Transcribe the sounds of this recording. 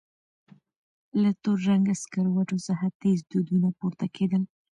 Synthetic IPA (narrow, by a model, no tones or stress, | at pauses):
lat̪oɾʒaŋɡaskaɾwaʈosaɦat̪ezd̪ud̪unapuɾt̪akʰed̪əl